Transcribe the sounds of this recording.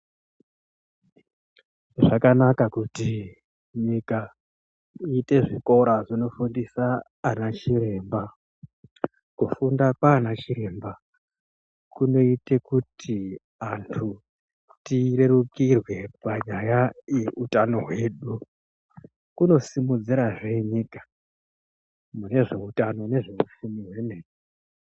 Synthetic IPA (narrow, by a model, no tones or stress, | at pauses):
ʐakanakakuti | ɲika | ite̞ʐiko̞ɾaʐino̞fundisaː | nat͡ʃiɾe̞mba | kufundakwaːnat͡ʃiɾe̞mba | kuno̞ite̞kutʰi | antʰu | tire̞rukirwe̞paɲajaje̞utano̞ɦwe̞ːɗu | kuno̞simud͡ziɾaʐeɲikḁ | mune̞ʐe̞utano̞ne̞ʐe̞ufumiɦwe̞neːɲe